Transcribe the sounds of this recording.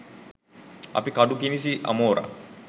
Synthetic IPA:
a̰pikaɖuk̬inis̬iʔa̰moːɾa̰

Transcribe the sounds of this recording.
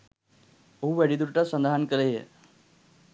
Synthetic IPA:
ouʋeɽid̪uɾʈəsənd̪aɦankəlejḛ

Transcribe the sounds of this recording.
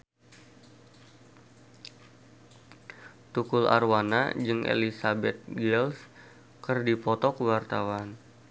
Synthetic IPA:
t̪ukʊla̰rwana̰d͡ʒɨŋʔḛlisabɛt̪̚ɡɛls | kərdipɔt̪ɔkəwart̪awan

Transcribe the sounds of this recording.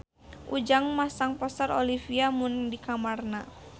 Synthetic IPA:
ʔud͡ʒaŋmasaŋpɔsaɾolifiamʊndikamarna

